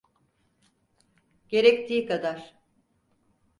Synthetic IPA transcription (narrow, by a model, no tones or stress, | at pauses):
ɟ̥e̞ɾɛct̪ʰiːkad̪aɾ̥